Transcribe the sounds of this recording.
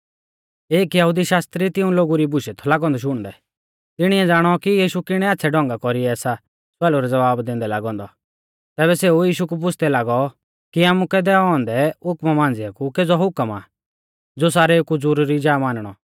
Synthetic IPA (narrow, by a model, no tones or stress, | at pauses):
eːkjɐɦud̪iʃaːst̪ɾit̪ɪũloːɡuɾibʊʃɛt̪ʰɔlaːɡɔ̃nd̪ɔʃ̬ʊɽ̃d̪ɛ | t̪ɪɽ̃iɛd͡zaːɽ̃ɔkijiːʃukɪɽ̃ɛaːtːsʰɛɖɔ̃ŋɡakɔɾiɛɛːsa | sɛːluɾɛd͡zɐʋaːbd̪ẽːnd̪ɛla̰ːɡɔ̃ːnd̪ɔ | t̪ɛːbɛseujiːʃukup̬ʊt͡ʃʰd̪ɛlaːɡɔ | kiaːmũkɛd̪ɛɔ̃ːnd̪ɛʊkmamãːnd͡zɪakukeːd͡zɔɦʊkəma̰ | d͡zos̬aːɾɛkud͡zʊɾɾid͡ʒaːmaːnəɽ̃ɔ̰